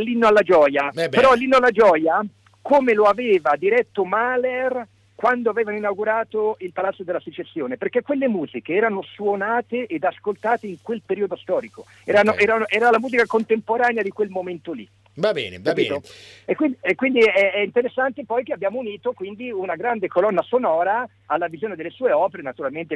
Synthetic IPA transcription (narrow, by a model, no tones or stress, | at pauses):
alːinːoalːad͡ʒɔːjabpeɾɔalːinːoalːad͡ʒɔːja | koːmeloaveːvad̪iɾɛt̪ːomaler | kwand̪oavɛːvanoinawɡuɾaːt̪oilpalat̪sːod̪elːaset͡ʃesːjoːneperkːekːwelːemuːzikeɛːɾanoswonaːt̪eʔed̪askolt̪aːt̪eiŋkwelpeɾiːod̪ost̪ɔːɾiko | ɛːɾanoʔɛːɾanoʔɛːɾalamuːzikakont̪empoɾaːnead̪ikwelmoment̪olḭ | vabɛ̰ːnḛapiːt̪oekːwiniekwind̪iɛɛint̪eɾesːant̪epɔjkeabːjaːmouniːt̪okwind̪iunaɡɾand̪ekolɔnːasonɔːɾa | alːavizjoːned̪elːesuːeɔːpeɾenat̪uɾalment̪e